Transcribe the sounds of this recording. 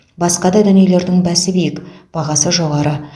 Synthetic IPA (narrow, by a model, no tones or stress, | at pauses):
bɑsqɑd̪ɑd̪ʏnijele̞ɾd̪ɪŋbæsɪbejɪkb̥ɑʁɑsəʒo̞ʁɑɾə